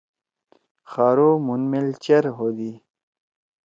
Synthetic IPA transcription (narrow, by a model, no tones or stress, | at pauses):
xaːɾomunmelt͡ɕɐɾɦoːd̪i